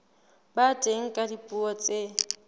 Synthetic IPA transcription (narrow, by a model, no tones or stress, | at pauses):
batʼeŋ̩kʼadipʼuɔt͡sʼe